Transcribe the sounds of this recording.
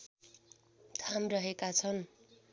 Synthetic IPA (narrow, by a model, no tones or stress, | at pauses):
t̪ʰamrʌɦekat͡sʰʌn